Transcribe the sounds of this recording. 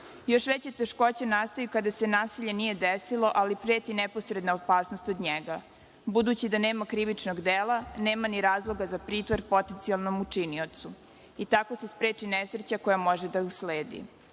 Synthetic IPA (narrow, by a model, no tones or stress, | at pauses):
jo̞ʃʋet͡ɕet̪eʃko̞t͡ɕenaːst̪ojukad̪ase̞naːsiʎe̞nije̞d̪esilˠo̞ʔalipɾeːt̪inɛpo̞sɾed̪naopaːsnost̪o̞d̪ɲeɡa | bud̪uːt͡ɕid̪aneːmakɾiʋit͡ʂnoɡd̪eːlaneːmaniɾaːzlˠo̞ɡazapɾiːt̪ʋoɾpo̞t̪ent̪sialˠno̞mut͡ʂiniot̪su | it̪ako̞sespɾeːt͡ʃinesɾt͡ɕako̞jamo̞ʒed̪ausleːd̪ḭ